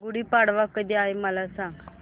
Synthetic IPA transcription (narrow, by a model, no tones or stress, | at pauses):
ɡuɽiːpaɽʋakəd̪iːaɦjməlasãŋɡ